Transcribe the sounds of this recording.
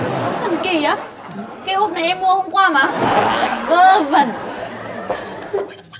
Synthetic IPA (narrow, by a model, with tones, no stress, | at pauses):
t̪ʰə˨˩nki˧˩ʔaː˨˦ | kaː˨˦jho˨˦˩t̚na˨˩jʔɛ˧mmu˧əhə˧ŋ͡mkwaː˧maː˨˩ | ʔəː˧˩və˧˩n